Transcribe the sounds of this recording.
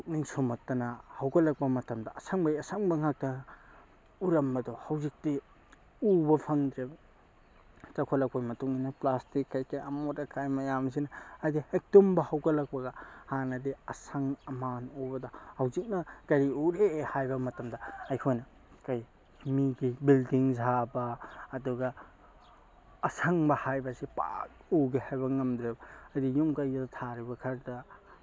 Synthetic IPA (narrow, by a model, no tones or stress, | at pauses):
uk̚niŋsomɐtːɐnɐhɐwɡɐlɐk̚pɐmɐtɐmdɐɐsaŋbɐjɐsaŋbɐŋak̚tɐ | uɾɐmbɐdohɐwzik̚ti | ubɐpʰɐŋd̪ɾebɐ | t͡ʃɐkʰolɐk̚ʰojmɐtuŋinɐplastikːajkːajɐmotɐkʰajmɐjamzinɐajdiek̚tombɐhɐwɡɐlɐk̚pɐɡɐhanɐdiɐsaŋɐmanobɐdɐhɐwzik̚nɐkɐɾiuɾehajbɐmɐtɐmdɐɐjkʰojnɐ | kɐj | himiɡibildiŋzʱabɐːduɡɐ | sɐŋbɐhajbɐsipa̰k̚uɡehajbɐŋɐmd̪ɾebɐɐjdijuŋkɐjɡdɐtʰaɾibɐkʰɐɾdɐ